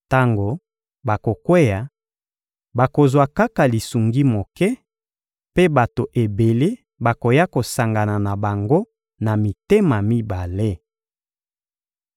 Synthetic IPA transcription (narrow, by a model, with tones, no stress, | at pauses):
ta˦ŋɡo˨ | ba˨ko˨kwe˦ja˨ | ba˨ko˨zwa˨ka˦ka˨li˨su˨ŋɡi˦mo˨kɛ˦ | pe˦ba˨to˨ʔe˨be˨le˦ | ba˨ko˨ja˦ko˨sa˨ŋɡa˨na˨na˨ba˨ŋɡo˦ | na˨mi˨te˦ma˨mi˦ba˨le˦